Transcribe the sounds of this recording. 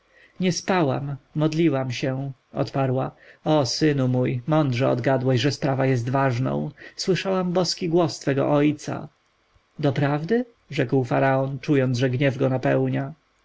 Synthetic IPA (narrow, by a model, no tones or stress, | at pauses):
ɲɛspawa̰mːɔd̪lʲiwamɕɛɔ̰t̪paɾwaɔsɘnumujmɔnd̪ʐɛɔ̰d̪ɡad̪wɛɕʐɛspɾavajɛs̬t̪vaʐnɔ̰̃w̃swɘʂawambɔskʲiɡwɔst̪fɛɡɔ̰ʔɔjt̪sa̰ | d̪ɔpɾavd̪ɘ | ʐɛkwfaɾaɔnt͡ʂujɔnd̪ʐɛɡɲɛvɡɔnapɛwɲa